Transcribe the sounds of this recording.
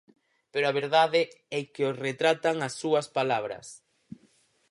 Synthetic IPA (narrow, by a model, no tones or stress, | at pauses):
peɾoaβeɾðaðɪ | ɛkeosret̪ɾat̪aŋɐsːuɐspalaβ̞ɾɐ̰s